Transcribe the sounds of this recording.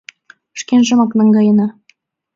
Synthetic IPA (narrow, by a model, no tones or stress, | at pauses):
ʃkenʒɤ̆mɑknɑŋɡɑjɤ̆nɑ